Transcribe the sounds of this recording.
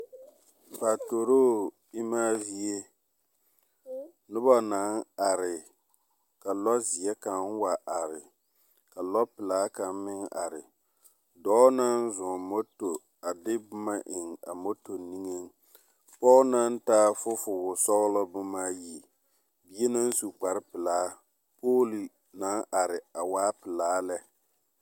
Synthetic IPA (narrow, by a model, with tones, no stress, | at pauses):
pa˨to˨ɾo˦˨ | ɪ˦maː˦zi˦e˦ | nʊ˦ba˦na˨˦ŋa˨ɾɪ˨ | ka˨lɔ˦zi˨ɛ˦ka˨ŋ˦wa˨ʔa˨ɾɪ˨ | ka˨lɔ˦pɪ˨laː˦ka˨m˦mɪ˦ŋa˨ɾɪ˨ | dɔ˦na˦n˦zʊ˨mo˦to˨ | a˨dɪ˦bʊ˦ma˦ʔɪ˨ŋa̰˨mo˦to˨ni˦ŋe˦n | pɔ˦na˦n˦taː˦fʊ˦fʊ˨wʊ˨sɔ˦ɣlɔ˦bʊ˦maː˦ji˦ | bi˦e˦na˦n˦su˨k͡pa˨ɾɪ˦pɪ˨laː˨˦ | poː˦li˨ | na˨˦ŋʔa˨ɾɪ˨a˨waː˦pɪ˨laː˦lɛ˦